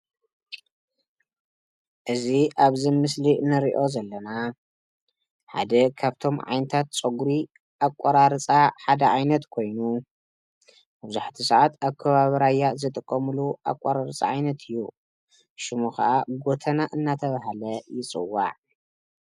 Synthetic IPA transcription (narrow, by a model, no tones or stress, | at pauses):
ʔɨziʔaβzɨmɨslinɨɾiʔo̞zɐlːɐna | ħa̰d̪ɐkʰaβt̪ʰo̞mʕa̰jnɐt̪ʰat̪̚t͡sʼoɡuɾi | ʔakʷʼaɾaɾɨt͡sʼaħad̪ɐʕajnɐt̪kʰo̞jnu | bɨbzuħt̪ʰisɨʕat̪ʰaβkʰɐβaβɐɾajːazɨt̪ʼɨkʼːɐmɨluʔa̰kʼːaɾaɾɨt͡sʼa̰ʕajnɐt̪ʰɨjːu | ʃɨmukɐ̰ʔaɡo̞t̪ʰɐnaʔɨnːat̪ʰɐβaɦalɐjɪt͡sʼɨ̰wːa̰ʕ